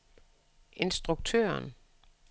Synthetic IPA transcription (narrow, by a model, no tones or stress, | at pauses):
e̝nsd̥ʁuɡ̥̚t͡sʰø̰ːɐn